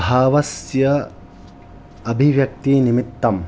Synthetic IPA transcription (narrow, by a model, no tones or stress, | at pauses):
aːʋɐsjɐ | ɐbʱiʋjɐk̚t̪inimit̪ːɐm